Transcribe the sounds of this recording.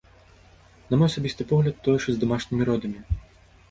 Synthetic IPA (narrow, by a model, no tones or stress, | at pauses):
nɐmɔjɐsabʲist̪ɨpɔɣlʲɐt̪ːɔjɛʂɔzd̪amaʂnʲimʲiɾɔd̪ɐmʲi